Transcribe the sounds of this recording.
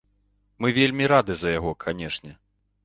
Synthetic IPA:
mɨvʲelʲmʲiɾad̪ɨzɐjaɣɔkʰanʲɛʂnʲɛ

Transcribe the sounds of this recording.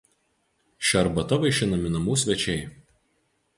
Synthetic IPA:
ʃʲɐɾbɐt̪ɔʋɐɪʃʲɪnɐmʲɪnɐmuːsʲʋʲɛt͡ʃʲɛɪ

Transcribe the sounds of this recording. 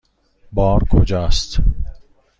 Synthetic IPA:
bɒːɾkʰod͡ʒɒːst̪

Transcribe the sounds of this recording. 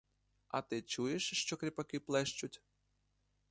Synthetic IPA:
ɐt̪ɪt͡ʃujeʃʃt͡ʃɔkɾʲipɐkɪplˠɛʃt͡ʃʊtʲ

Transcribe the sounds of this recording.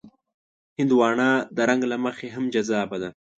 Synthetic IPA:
hɪnd̪wɑːɳɑd̪əɾaŋɡlaməxeɦamd͡ʒazɑːbad̪a

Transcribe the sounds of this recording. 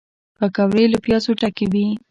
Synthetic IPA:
pakawɾeləpjɑsoʈakibi

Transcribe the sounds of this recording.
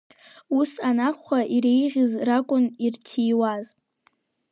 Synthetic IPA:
usanaχʷaʔiɾejʁʲɪzrakʷʼʊnirtʰijwaz

